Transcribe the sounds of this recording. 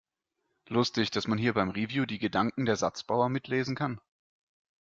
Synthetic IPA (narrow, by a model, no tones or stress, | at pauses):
lʊstɪçd̥asmanɦiːɐbaɪmʁivjuːdiːɡədaŋkŋ̩deːɐzat͡sb̥aʊɐmɪtʰleːzn̩kʰan